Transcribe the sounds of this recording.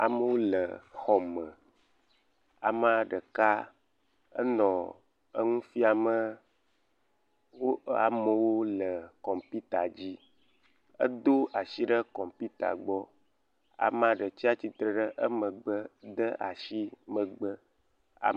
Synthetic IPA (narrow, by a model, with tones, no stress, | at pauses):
a̰˨mə˦wo˦lə˨xɔ˨mə˨ | a̰˨m˦a˦˨ɖə˨ka˦ | ə̰˦nɔ̃˨ | ə˦ŋũ˦fi˦a˨mə˦ | wo˦a̰˨mə˨wo˦lə˨kɔ˨mpi˦t̪a˨d͡ʑi˦ | ə̰˦d̪o˦a˨ʃi˦ɖə˦kɔ˨mpi˦t̪a̰˨ɡ͡bɔ˦ | a̰˨m˦ã˨ɖə˨t͡ɕi˦a˦t͡ɕi˨t̪ɾə˨ɖə˦ʔə˦mə˨ɡ͡bə˦d̪ə˦ʔa̰˨ʃi˦mə̃˨ɡ͡bə˦ | a̰˨